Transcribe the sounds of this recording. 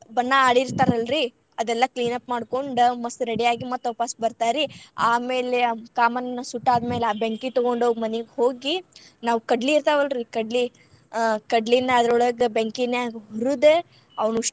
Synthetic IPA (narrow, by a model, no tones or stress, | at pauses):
bɐnːɐaːɽiɾt̪aːɾɐlɾi | ɐd̪ɛlːɐkliːnɐpmaːɽko̞ɳɖmɐsɾeɽijaːɡimɐt̪ːɐpaːsbɐɾt̪aːɾiaːmeːlekaːmɐnɐnːɐsuʈːaːd̪meːleaːbeŋkit̪ɔɡoɳɖoːmɐniɡho̞ːɡi | naːʋukɐɖliːɾt̪aːʋɐlɾikɐɖli | kɐɖlind̪ɐːd̪ɾɔɭɐɡebeŋkinːeɡɦuɾud̪e | ɐʋnuʂ